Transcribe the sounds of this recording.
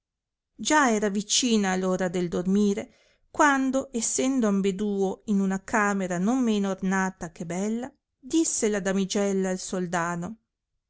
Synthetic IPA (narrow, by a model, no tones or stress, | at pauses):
d͡ʒaɛːɾavit͡ʃiːnaːloːɾad̪eld̪ormiːɾe | kwand̪oʔesːɛnd̪oambed̪uːoinunakʰaːmeɾanomːeːnornaːt̪akebɛlːa | d̪isːelad̪amid͡ʒɛlːaːlsold̪aːno